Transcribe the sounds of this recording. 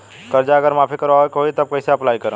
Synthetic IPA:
kəɾd͡ʒaəɡəɾmapʰikəɾekɦojt̪əb̚kəɪseəplajkəɾə̃

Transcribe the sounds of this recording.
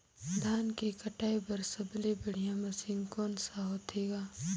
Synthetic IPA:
d̪ʱaːnkekɐʈaːebɐɾsɐblebɐɽ̤ijãmɐsɪ̃ŋɡkoːnsaɦoːt̪ʰeːɡaː

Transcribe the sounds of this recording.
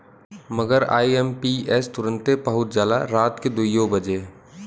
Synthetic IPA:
məɡəɾa̰ːiempiɛst̪ʊɾə̃nt̪ebəɦʊt̪d͡ʒaːd̪a̰ɾaːt̪ked̪uijobəd͡ʒeː

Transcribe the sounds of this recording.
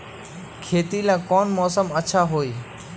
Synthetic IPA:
kʰeːt̪ilãkɔːnmɔːsəməʃʰaɦoːi

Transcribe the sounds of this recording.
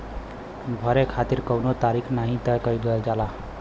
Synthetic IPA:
bʱəɾekʰat̪iːɾkəwnot̪aɾikʰnaɦĩt̪əjkəiɡəld͡ʒala

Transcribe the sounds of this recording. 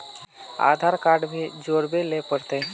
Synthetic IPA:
a̰ːd̪ʱaɾkaːɾɖbʱid͡ʒoːɾbelepəɽt̪e

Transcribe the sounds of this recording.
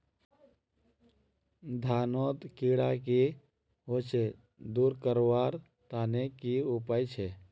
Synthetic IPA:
d̪ʱaːnoːt̪kiːɽaki | ot͡ʃʰe | d̪uːɾkəɾowaːɾ | t̪aːnekiʊpaːjt͡ʃʰe

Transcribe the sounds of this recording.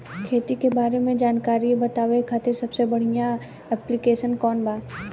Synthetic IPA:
kʰeːt̪ikebaːɾemẽd͡ʒaːnkaːɾibɐt̪aːʋekʰaːt̪ɪɾsɐbsebɐɽ̤ija | ɛplikeːʃənkɔːnbaː

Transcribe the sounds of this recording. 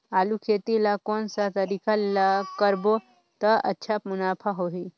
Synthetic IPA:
aːlukʰeːt̪ilakoːnsat̪ɐɾiːkaakəɾbo | t̪ɐɐ̰tːʃʰapmʊnaːpʰaɦoːɦi

